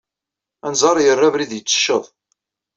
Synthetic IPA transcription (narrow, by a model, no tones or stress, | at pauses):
ænzˤɑɾˤjərˤːævɾiðjət͡sːə̥ʃːəðˤ